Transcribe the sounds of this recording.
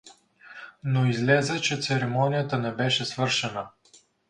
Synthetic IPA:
noizlɛzɛt͡ʃɛt̪sɛɾɛmɔnʲijət̪ənɛbɛʃɛsvɤɾʃɛnə

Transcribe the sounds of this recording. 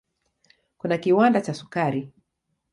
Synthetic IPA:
kunakiwandat͡ʃasu̥kaɾi

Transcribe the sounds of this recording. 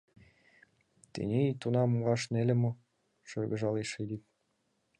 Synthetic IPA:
t̪ḛnʲet̪unɑmmʁɑʃnelʲɘ̆mo | ʃɤrɡɤ̆ʒɑleʃed̪ip̚

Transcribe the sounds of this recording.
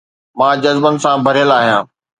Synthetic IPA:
mãːd͡ʑɐzbənɪ̆sãbʱɐɾijəlaːɦjãː

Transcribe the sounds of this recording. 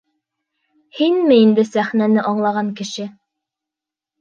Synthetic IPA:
hinmɘind̪ɘsæχnænɘʔɑɴlˠɑʁɑŋkɘ̆ʃɘ

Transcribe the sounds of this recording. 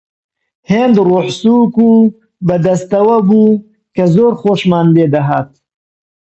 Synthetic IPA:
hend̪ɾoħsuku | bəd̪ɐst̪awabu | kazoɾχoʃmand̪ed̪aɦat̪̚

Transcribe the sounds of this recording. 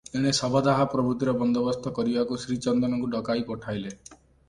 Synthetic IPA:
eɽ̃esɔbɔd̪aɦapɾɔbʱɾut̪iɾɔbɔnd̪ɔbɔst̪ʰɔkɔɾibakusɾit͡ʃɔnd̪ɔnɔŋkuɖɔkajpɔʈʰajle

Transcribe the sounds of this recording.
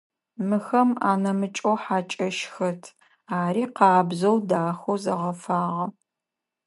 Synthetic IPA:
mɨxɐma̰ːnɐmɨt͡ʃʼoħaːt͡ʃʼɐʃxɐtʰ | aːɾiːqɑːbzɐwdaːxozɐʁɐfaːʁɐ

